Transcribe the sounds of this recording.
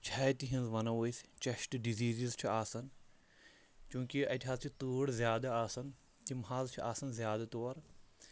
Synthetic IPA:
t͡ʃʰaːjt̪iɦɐ̃nzʋɐnɐʋoːist͡ʃɐʃʈɖiziːzizt͡ʃʰiaːsɐn | t͡ʃũːkiɐt̪ʲiɦaːzt͡ʃʰit̪uːɽzjaːd̪aaːsɐn | t̪imɦaːzt͡ʃʰiʔaːsɐnzjaːd̪at̪oːɾ

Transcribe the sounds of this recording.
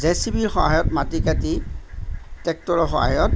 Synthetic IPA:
zesibilxɔɦajɔtmatikati | tɛk̚tɔɹɔxɔ̰ɦa̰jɔt̚

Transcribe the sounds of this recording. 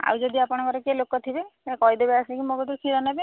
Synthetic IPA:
a̰wd͡ʒɔd̪iapɔɽ̃ɔkɔɾekelokɔt̪ʰibekɔɦid̪ebeasnikimoɡɔd̪usʰiɾɔnabe

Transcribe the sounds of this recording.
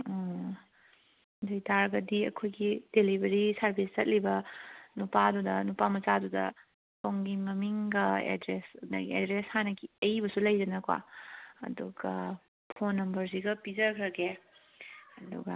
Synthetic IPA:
ɔ | dɐjtaɾɡɐdiɐ̰kʰojɡid̥elibeɾisɐɾbʱist͡ʃɐt̚libɐnupadudɐnupamɐt͡ʃadudɐ̰ | poŋɡimɐmiŋɡɐḛdɾesnɐ̰ɡiḛdɾeshanɐɡiɐjbɐsulɐjd͡ʒɐnɐkwa̰ɐ̰duɡɐ | pʰonːɐmbɐɾsiɡɐpizɐkʰɾɐɡe | ɐdṵɡɐ̰

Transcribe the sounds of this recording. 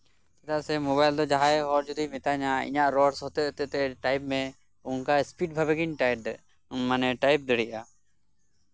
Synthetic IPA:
t̪ɛt̪aʔsɛmɔβajld̪ɔd͡ʒaɦaɛɦɔɾd͡ʒud̪imit̪aɲaḭɲaʔɾɔɽshɔt̪ɛʔt̪ɛʔt̪ɛʈajp̚mɛ | uŋkaspiʈ̚bʱabɛɡiɲʈajʈ̚d̪ɛʔ | nmanɛʈajp̚d̪əɽiʔa

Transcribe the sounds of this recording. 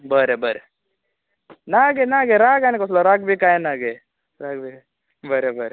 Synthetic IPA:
bəɾebʱəɾe | naɡenaːɡeɾaːɡanekoslaɾaːɡ̚bʱikaːenaːɡe | ɾaːɡbʱi | bʱɐɾebʱəɾe

